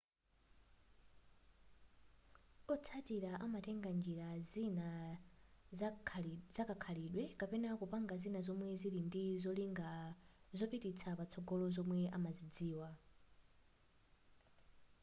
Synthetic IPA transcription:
kɔt͡sʰatiɾaʔamatɛŋɡand͡ʒiɾazina | zakakʰaliɗwɛkapɛnakupaŋɡazinazɔmwɛzilindizɔliŋɡazɔpitit͡sʰapat͡sʰɔɡɔlɔzɔmwɛʔamazid͡ziːwa

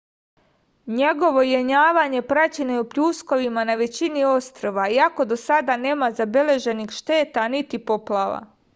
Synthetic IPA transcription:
ɲeɡo̞ʋo̞jeɲaːʋaɲe̞pɾat͡ɕenojupʎuːsko̞ʋimanaʋe̞t͡ɕinio̞st̪ɾoʋaiako̞d̪o̞sad̪ane̞ːmazabe̞le̞ʒe̞nixʃt̪e̞ːt̪anit̪ipo̞plˠaʋa̰

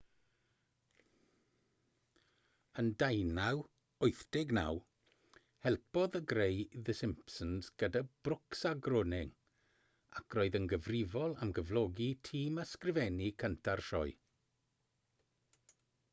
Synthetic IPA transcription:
əndajnaw | ʊɨθd̥ɪɡna̰w | hɛlˠpɔðəɡrejðəsɪmpsənz̥ɡ̥ədab̥rʊksaɡrʊnɪŋ | akʰrɔːɨðənɡəvrɪvɔlˠa̰mɡəvlˠɔɡitʰiːmaskrɪvɛnikʰəntʰarʃɔɨ

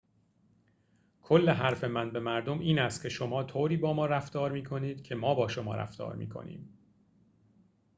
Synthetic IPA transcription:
kʰolːeɦæɾfe̞mænbe̞mæɾd̪o̞mʔiːnæst̪̚cʲʰe̞ʃo̞mɒːt̪ʰoːɾiːbɒːmɒːɾæft̪ɒːɾmiːkʰo̞niːd̪̥cʰe̞mɒːbɒːʃomɒ̰ːɾæ̰ft̪ɒ̰ːɾmḭːkʰo̰nḭːm

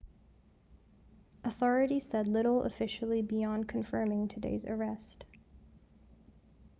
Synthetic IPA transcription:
ʔəθɔɹɨɾi̥sɛdˡlɪɾl̩ˠə̰fɪʃl̩ˠibiɑ̃nkʰɨ̃ɱfɜ̃˞mɪ̃ŋtʰɨdḛɪzə̰˞ɛst

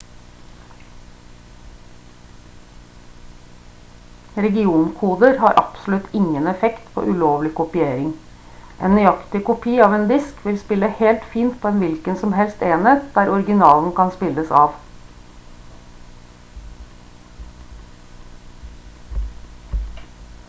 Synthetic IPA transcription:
ɾɛɡɪuːnkʰuːd̪əɾhɑːɾʔɑ̰psʊlʉt̪ʰɪŋənɛfɛkt̪pʰo̰ːʔʉloːʋlɪkʊpɪeːɾɪŋ | ʔḛːnnʏɑkt̪ɪkʊpʰiːɑːʋeːnd̪ɪskʰʋɪlspɪləhɛːlt̪fiːnt̪̚pʰoːɛːnʋɪlkənsɔmhɛlst̪eːnət̪̚d̪̥æːɾʔɔɾɡɪnɑːln̩kʰɑnspɪləsɑːʋ

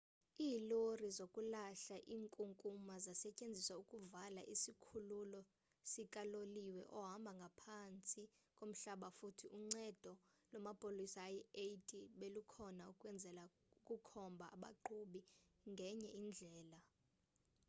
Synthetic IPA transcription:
iːlorizokʼulaɬaʔiːŋkʼuŋkʼumazasɛcʼend͡zʱisaukʼuvalaʔisikʰululɔ | sikʼaloliwɛʔɔɦambʱaŋɡʱapʰant͡sʼi | kʼom̩ɬaɓafutʰiʔuŋ͡ǀɛd̥ʱɔlɔmapʼolisajiejtʼiɓelukʰɔnaukʼwɛnd͡zʱɛla | ukʼukʰɔmbʱa̰ːɓa̰ǃuɓiŋɡʱɛɲɛind͡ɮʱɛːla

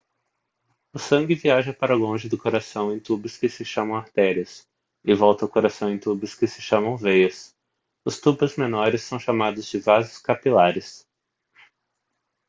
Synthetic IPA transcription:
ʊsɐ̃ɡɪviaʒɐpaɾɐlõʒɪd̪ʊkoɾasɐ̃w̃ẽj̃t̪ubɪskɪsɪʃɐ̃mɐ̃w̃aɾt̪ɛɾiɐs | ɪvɔwt̪ɐʊkoɾasɐ̃w̃ẽj̃t̪ubɪskɪsɪʃɐ̃mɐ̃w̃vejɐs | ʊst̪ubɐzmenɔɾɪsːɐ̃w̃ʃamad̪ʊzd͡ʒɪvazʊskapilaɾɪs

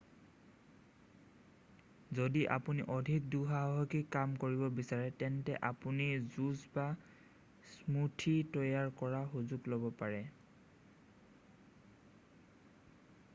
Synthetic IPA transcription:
zodiʔa̰puniʔɔdʱik̚duɦaɦɔkikːamkoɹibɔbisaɹɛtɛntɛ̰ʔapunizuzba | smutʰitɔjaɹkɔɹaxuzuɡlobɔpaɹɛ

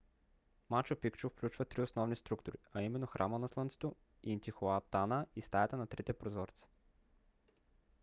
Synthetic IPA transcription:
mat͡ʃopikt͡ʃofklʲut͡ʃvət̪ɾiosnɔvnist̪ɾukt̪ʊɾiaimɛnːoxɾʔamənɐslˠənt̪sɛ̥t̪o | int̪ʲixoat̪anəist̪ajɛt̪ənɐt̪ɾit̪ɛpɾozɔɾt̪sɛ̥

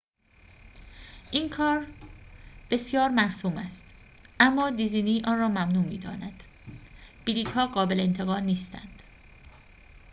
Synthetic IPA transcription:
ʔiːnkʰɒːɾ | b̥e̞sjɒːɾmæɾsuːmæst̪ | ʔæmːɒːd̪iziːniːʔɒːnrɒːmæmnuːmḭːd̪ɒ̰ːnæd̪̥ | b̥iliːt̪hɒːɢɒːbe̞leent̪ʰe̞ɣɒːlniːst̪æ̰nd̪̥

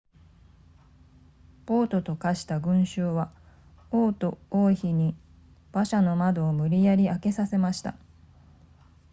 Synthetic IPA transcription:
po̞ːt̪o̞t̪o̞kaɕi̥t̪aɡɯ̟̃ɰ̃ɕɨːβa | oːt̪o̞oːçiɲ̟i | b̥aɕano̞mad̪o̞ːmɯ̟ɾʲijaɾʲiake̞sase̞maɕi̥t̪a̰

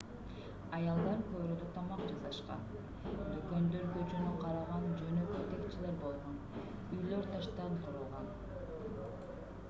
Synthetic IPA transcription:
ɑjɑlˠd̪ɑɾkøβɾød̪yt̪ʰɑmɑqd͡ʒɑzʁɑʃqɑ̰n | d̪økø̞nd̪øɾkø̞t͡ʃønyqʰɑɾɑʁɑnd͡ʒø̞nø̞køt̪e̞kt͡ʃile̞ɾbo̞lˠʁon | yjlø̞ɾt̪ʰɑʃt̪ɑɴqʰuɾuːʁɑn

